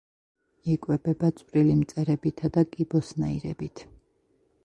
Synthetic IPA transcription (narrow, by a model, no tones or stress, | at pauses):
ikʼwɛbɛbat̪sʼwɾilimt̪sʼɛɾɛbit̪ʰad̪akʼibɔsnaiɾɛ̰bit̪ʰ